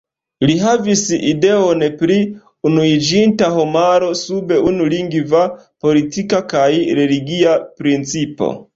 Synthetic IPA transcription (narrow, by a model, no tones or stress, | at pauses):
liɦavisḭde̞onpɾi | unuid͡ʒintaɦo̞maɾo̞sube̞unuliŋɡva | po̞litikakajɾe̞liɡiapɾint͡sipo̞̰